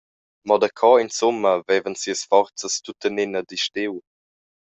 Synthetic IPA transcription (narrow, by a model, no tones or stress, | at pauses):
mɔdəkʰɔinsʊmːəvɛvənsiəsfɔrt͡səstutənɪnədiʃtɪw